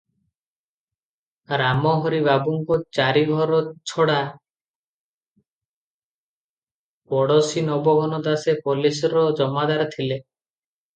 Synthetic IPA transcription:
ɾamɔɦɔɾibabuŋkɔt͡ʃaɾiɡʱɔɾɔt͡ʃʰɔɽa | pɔɽɔsinɔbɔɡʱɔnɔd̪asepɔlisɔɾɔd͡ʒɔmad̪aɾɔt̪ʰile

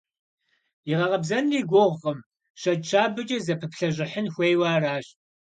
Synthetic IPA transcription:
iʁɐʁɐbzɐnriːɡʷʊʁʁɐm | ʃɐt͡ʃʰaːbɨt͡ʃʼɐzɐpʰɨpɬɐʑɪħənxʷejwaːraːɕ

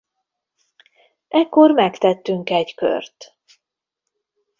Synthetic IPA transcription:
ɛkːo̞rmɛkt̪ɛt̪ːyŋkɛɟkø̰rt̪

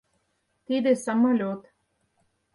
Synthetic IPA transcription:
t̪id̪esamɤlʲot̪

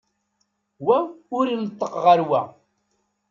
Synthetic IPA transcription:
wæʊɾilət̪ˤːəqʁəɾwæ

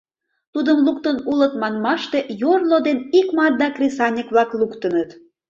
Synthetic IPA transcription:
t̪ud̪əmlukt̪ənulət̪mɑnmɑʃt̪ejorlod̪enikmɑt̪̚d̪ɑkrʲesɑnʲikβlɑklukt̪ənət̪

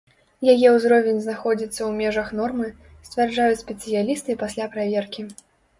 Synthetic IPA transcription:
jajɛwzɾɔvʲɛnʲznaxɔd͡zʲit̪sːɐwmʲɛʐɐxnɔrmɨ | sʲt̪ʲvʲarʐajut͡sʲsʲpʲɛt̪sɨjalʲist̪ɨpasʲlʲapɾavʲɛrkʲi

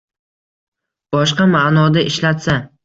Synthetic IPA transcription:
b̥ɒʃqɑmanɒd̪aʔɪʃlat̪sa

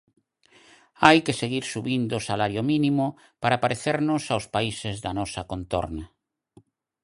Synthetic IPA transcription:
ajkeseɣiɾsuβind̪oːsalaɾjomĩnimʊ | paɾapaɾeθeɾnʊsawspaisezðanɔsɐkont̪ɔ̰ɾnɐ

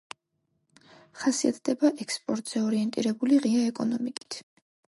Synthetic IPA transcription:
χasiat̪ʰd̪ɛbaʔɛkspʼɔɾt̪ʼz̥ɛɔɾiɛnt̪ʼḭɾɛbuliʁiaɛkʼɔnɔmikʼi̥t̪ʰ

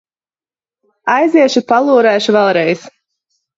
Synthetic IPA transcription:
ajziɛʃupalˠuːɾæːʃuvɛlˠɾɛjs

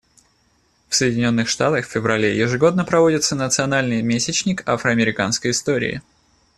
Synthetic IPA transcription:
fsəjɪdʲɪnʲo̞nːɨxʂt̪at̪əxfʲɪvɾɐlʲejɪʐɨɡo̞d̪̚nəpɾɐvo̞dʲɪt̪sənət̪sɨɐnalʲnɨjmʲesʲɪt͡ɕnʲɪkafɾəɐmʲɪɾʲɪkanskəjɪst̪o̞ɾʲɪ̰ɪ̰

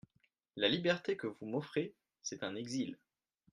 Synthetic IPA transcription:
lalibɛʁt̪ekəvumɔfχe | sɛt̪ɛ̃nɛɡzil

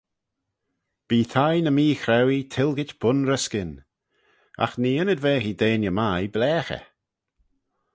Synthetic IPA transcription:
b̥iːt̪ʰajnəmiːxɾɛwit̪ʰɪlˠɡɪtb̥ʊnɾəskɪn | a̰xniːənədveːɦid̪eːnjəmajblɛːxə̰

